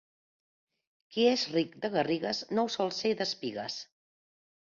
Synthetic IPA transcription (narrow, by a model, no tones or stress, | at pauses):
kiezrikd̪əɣəriɣəznowsɔlˠseðəspiɣə̰s